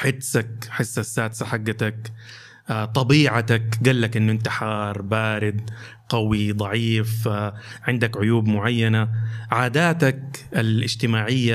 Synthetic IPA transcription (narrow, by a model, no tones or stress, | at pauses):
ħɪd̪sak̚ħɪsːasːaːd̪saħaɡːat̪ak | t̪ˤɑbiːʕat̪akɡalːakʔɪnːʊʔɪnt̪aħɑːɾˤbaːɾɪd̪̚ | qɑwid̪ˤɑʕiːfʕɪnd̪akʕʊjuːbmʊʕajːanaʕaːd̪aːt̪akalʔɪd͡ʒt̪ɪmaːʕɪjːa